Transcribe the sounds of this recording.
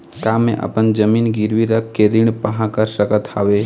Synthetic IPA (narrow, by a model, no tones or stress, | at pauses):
kaːmḛ̃ʔə̰pənd͡ʒəmiːnɡɪɾʋiɾəkːeɾɪɳ̃pəɦãkəɾsəkət̪ʰaːʋe